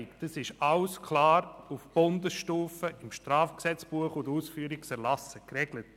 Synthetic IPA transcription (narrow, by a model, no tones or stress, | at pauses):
kd̥əsɪʃɑʊskʰlɑːɾufb̥ʊndəsʃtuːfəʔɪmʃtɾaːfksɛt͡sb̥uəχʊduːsfyːəɾiksɛɾlɑsəkrɛɡlət